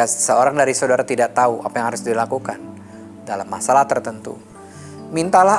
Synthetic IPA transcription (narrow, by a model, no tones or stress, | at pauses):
asəoɾaŋdaɾisawdaɾat̪idaʔt̪auʔa̰pajaŋhaɾʊsdilakukan | dalamːasalaht̪ərt̪ənt̪ṵ | mint̪ala